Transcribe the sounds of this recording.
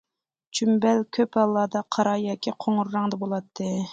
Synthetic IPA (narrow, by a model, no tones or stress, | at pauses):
t͡ʃʰymbɛlkʲʰøpɑlˠːɑːd̪ɑqʰɑɾɑjɑːkʲʰiqʰoŋʊɾːɑŋd̪ɑbolˠɑt̪ʰːɨ